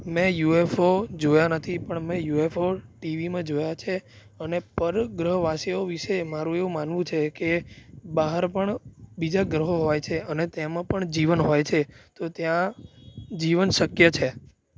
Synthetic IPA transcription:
mɛ̃juefod͡ʒojanət̪ʰipəɳmɛ̃juefoʈiʋimãd͡ʒojat͡ʃʰe | ənepəɾɡɾəɦʋaseoʋiʃemaɾũeʋũmanʋũt͡ʃʰekebaɦəɾpəɳbid͡ʒaɡɾəɦoɦojt͡ʃʰeənet̪emãpəɳd͡ʒiʋənɦojt͡ʃʰet̪ot̪jã | d͡ʒiʋənʃəkjət͡ʃʰe

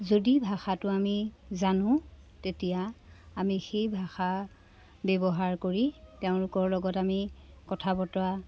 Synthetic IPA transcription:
zodibʱaxatʊamizanʊ̃ | tetijaːmixejbʱaxa | bɛbɔɦaɹkoɹiteʊ̃lʊkɔɹlɔɡɔtami | kɔtʰabɔtɔa

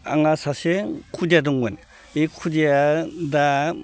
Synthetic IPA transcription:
a̰ŋasasekʰudijaduŋbɯn | ikʰudijada

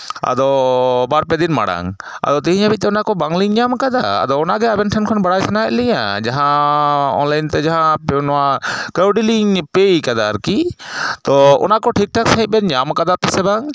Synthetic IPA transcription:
a̰d̪ɔbaɾpɛd̪inma̰ɽa̰ŋa̰d̪ɔt̪iɦĩɲabit̪̚t̪ɛɔnakɔbaŋɡliŋɲamkad̪aa̰d̪ɔɔnaɡɛabɛnʈʰankʰɔnbaɽajsɛnaɛʔ̪lɛɲa̰d͡ʒaɦãɔ̰nlajnt̪ɛd͡ʒaɦãpɛnɔwakəwɖiliŋpejkad̪aɾkit̪ɔɔ̰nakɔʈʰik̚ʈʰaksãɦĩt̪̚bɛɲamkad̪apɛsɛbaŋ

